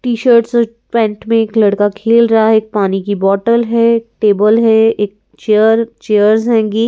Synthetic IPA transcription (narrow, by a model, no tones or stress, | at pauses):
ʈiːʃəɾʈso | pɛ̃ːɳʈmẽeːklɐɽkakʰeːlɾɐɦaɦeːk̚paːnikibɔːʈəlɦɛkʈeːbəlɦɛeːk̚ | t͡ʃeəɾt͡ʃeːəɾzɦɛ̃ːŋɡiː